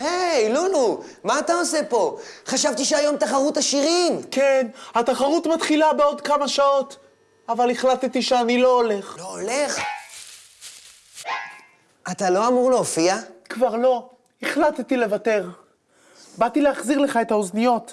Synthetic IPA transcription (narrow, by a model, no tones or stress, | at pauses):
hejlunu | maːt̪ao̞se̞po̞ | χaʃavt̪iʃeajo̞mt̪aχaʁut̪aʃiʁimkenhat̪aχaʁut̪mat̪χilabeod̪kamaʃaot̪ | avaliχlat̪t̪iʃeanilo̞ole̞χloole̞χ | ʔat̪alo̞amuʁleofiakvaʁlo̞ | iχlat̪t̪ile̞vate̞ʁ | bat̪ileaχziʁleχae̞t̪haoznijo̞t̪